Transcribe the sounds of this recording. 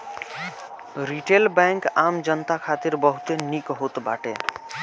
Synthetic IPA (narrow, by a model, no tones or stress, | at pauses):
ɾiʈeːlbɛ̃ːŋkaːmd͡ʒənt̪akʰaːt̪iɾbəɦut̪enikɦot̪ba̰ːʈḛ